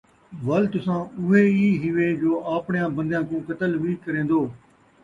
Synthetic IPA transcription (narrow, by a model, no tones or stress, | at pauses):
ʋəlt̪ʊsãːʊɦeːiːɦɪʋeːd͡ʒoːʔaːpɳɪjãːbə̃nd̪jãːkũːkət̪əlʋiːkəɾẽːnd̪oː